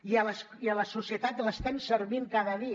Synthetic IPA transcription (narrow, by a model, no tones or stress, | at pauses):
iələs | iələsusiət̪at̪ləst̪ɛnsəɾβiŋkaðəði